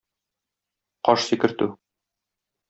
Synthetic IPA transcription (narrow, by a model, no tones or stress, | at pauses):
qɒʃsikɘ̆ɾt̪ʉ